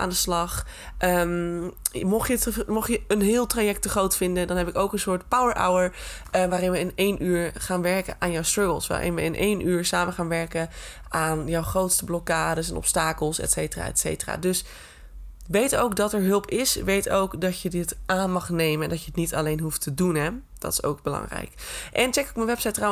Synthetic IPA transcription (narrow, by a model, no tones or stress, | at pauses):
ʔa̰ːndəslɑχ | ʔəm | mɔχjətmɔχjəənɦɪːlˠtrajɛk̚təχrowtfɪndədɑnɦɛpɪkowkənsʊːɹtpawəɹʔa̰wəɹ | ʋaːɾɪnʋəɪnejnʔyːɹχaːnʋɛɹkənʔaːnjowstrɑɡəlˠsʋa̰ːʔɪ̰nʋəɪnʔejnʔyːɹsaːməχaːnʋɛɹkə | aːnjɔwχrowtstəblɔkaːdəsɛnɔ̰pstaːkəlˠsɛ̰tsejtəra̰ːɛ̰tsḛjtəra̰ːdɵs | ʋejtowkdɑtɛɹɦɵlˠpɪsʋejtowkdɑcjədɪtʔaːnmɑχnejmənɛndɑcjəətnitɑlejnɦuftʰədunɦɛ | d̥ɑ̰tɪ̥so̰wk̚bəlɑ̰ŋrɛ̰jkʔɛnt͡ʃɛkɪkmənʋɛpsajtra